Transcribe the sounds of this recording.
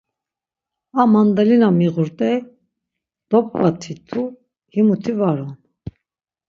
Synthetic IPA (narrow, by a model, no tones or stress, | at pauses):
amand̪alinamiʁuɾt̪ʼɛ | d̪̥ɔpʼvat̪ʰit̪ʰu | himut̪ʰivaɾɔn